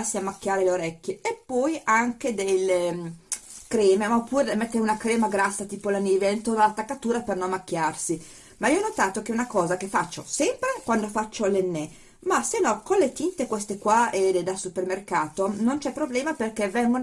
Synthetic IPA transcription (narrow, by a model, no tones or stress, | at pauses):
sːiamːakːjaːɾeleoɾɛkʲːeepːɔjaŋk̟ed̪elːe | kɾɛːmemaopːuːɾemɛt̪ːeɾunakɾɛːmaɡɾasːat̪iːpolaniːveaint̪onalat̪ːakːat̪uːɾapernonmakːjarsi | maiːoɔnːot̪aːt̪okeunakɔːzak̟efːat͡ʃːosɛmpɾekwand̪ofat͡ʃːolenːe | masenːɔkonlet̪int̪ekwest̪ekwaedd̪asupermerkaːt̪onont͡ʃɛpːɾoblɛːmaperkevɛŋɡo